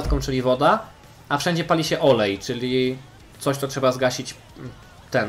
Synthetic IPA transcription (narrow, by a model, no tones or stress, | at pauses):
t̪kɔ̃w̃t͡ʂɘlʲivɔd̪a | afʂɛɲd͡ʑɛpalʲiɕɛʔɔlɛjt͡ʂɘlʲi | t̪sɔɕt̪sɔtʂɛbazɡaɕit͡ɕ | t̪ɛn